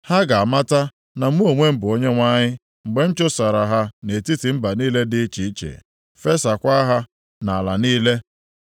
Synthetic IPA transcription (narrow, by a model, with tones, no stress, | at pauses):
ha˦ɡa˨a˨ma˦ta˦ | na˨m̩˦u˦o˨ŋʷe˦m̩˦bʊ˨o˦ɲe˦ŋʷa˦ɲɪ˦ | ŋ͡m̩˨ɡ͡be˨˦n̩˦t͡ʃʊ˦sa˨ɾa˨ɦa˦ne˨ti˦ti˨m̩˦ba˨niː˦le˦dɪ˦t͡ʃi˨˦t͡ʃḛ˨ | fe˦sa˨kʷa˦ɦa˦ | na˨a˨la̰˨niː˦le˦